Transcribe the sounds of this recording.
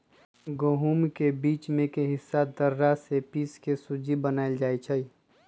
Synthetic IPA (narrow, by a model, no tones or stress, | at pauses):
ɡoɦumkebiːt͡ʃmẽkeɦɪsːad̪əɾːasepiːskesud͡ʒibənaːɪld͡ʒaːit͡ʃʰəi